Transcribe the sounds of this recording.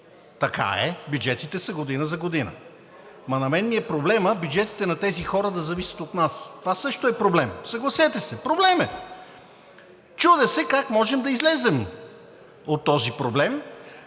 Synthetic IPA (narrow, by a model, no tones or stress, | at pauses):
t̪ɐka̰ɛbʲjud͡ʒɛt̪it̪ɛsɐɡod̪inəzɐɡod̪inə̰ | mɐnɐmɛnmiɛpɾoblɛməbʲjud͡ʒɛt̪i̥t̪ɛnɐt̪ɛzixɔɾəd̪ɐzɐvisɐ̥t̪ot̪nast̪ovasɤʃt̪oɛpɾoblɛmsɐɡlˠɐsɛt̪ɛsɛpɾoblɛmɛ | t͡ʃud̪ɛsɛkakmɔʒɛmd̪ɐizlɛzɛm | ot̪ːɔzipɾoblɛm